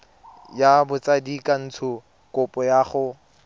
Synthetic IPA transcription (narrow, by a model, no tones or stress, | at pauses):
jabʊt͡sadikan̩t͡sʰʊ | kʊpʼɔjaːχʊ